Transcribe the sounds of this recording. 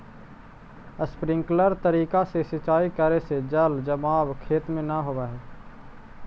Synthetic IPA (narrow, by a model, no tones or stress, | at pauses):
əspɾɪ̃ŋkləɾt̪əɾiːkasesɪt͡ʃaːikəɾesed͡ʒəld͡ʒəmaːbkʰeːt̪mẽnaɦoːʋaɦɛː